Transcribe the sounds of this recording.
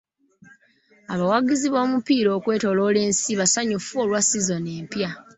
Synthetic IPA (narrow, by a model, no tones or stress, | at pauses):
aβawaɡiziβo̞ːmupiːɾo̞ːkwe̞ːto̞lo̞ːle̞ːnsiβasaɲufuolwasizo̞ne̞ːmpja